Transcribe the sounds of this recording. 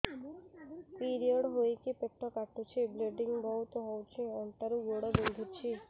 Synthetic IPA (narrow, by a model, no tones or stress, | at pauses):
piɾioɽɦojkipekʈ̪ʰɔkaʈut͡ʃʰibleɖiŋɡbʱɔɦut̪ɔɦɔwt͡ʃʰeɔɳʈaɾuɡoɽɔbond̪ʱut͡ʃʰi